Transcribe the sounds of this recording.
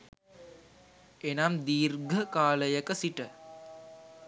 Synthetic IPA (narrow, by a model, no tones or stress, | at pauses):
enamd̪iːrɡʱəkaːləjəkəsiʈə